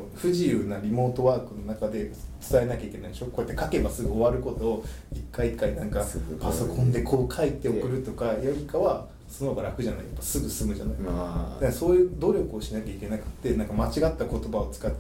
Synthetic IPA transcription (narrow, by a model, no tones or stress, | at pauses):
ɸɯ̟ʑiɯ̟ːnaɾʲimo̞ːt̪o̞βaːkɯ̟no̞nakad̪e̞t͡sɨ̥t̪ae̞nakʲaike̞naid̪eɕoko̞et̪ːe̞kake̞basɨɡɯ̟o̞βaɾɯ̟ko̞t̪o̞ː | ikːaikːainãŋkapaso̞kʰõ̞nd̪e̞kʰo̞ːkʰait̪ːeokɯ̟ɾɯ̟t̪o̞kajaikaβa | sonoɡaɾakɯ̟ʑana̰ipːasɨɡɯ̟sɨmɯ̟ʑa̰na̰id̪aso̞ːjɯ̟ːd̪o̞ɾʲo̞kɯ̟oɕinakʲaikʲe̞nakɯ̟̥t̪ːe̞nãŋkamat͡ɕiɡat̪ːako̞t̪o̞baot͡sɨ̥kat̪ːe